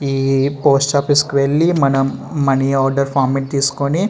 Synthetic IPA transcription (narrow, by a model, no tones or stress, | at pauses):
iːpoːsʈaːpiskiʋeɭːimɐnɐmːɐniaːɾɖɐɾpʰaːɾmeɳʈ̚t̪iːsu̥koni